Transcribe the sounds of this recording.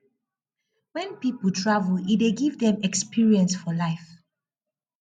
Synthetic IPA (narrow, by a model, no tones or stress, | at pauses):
wɛ̃npipəlˠtʰɹavəlideɡivdɛ̃mɛkspiɹiɛ̃nsfɔlaɪf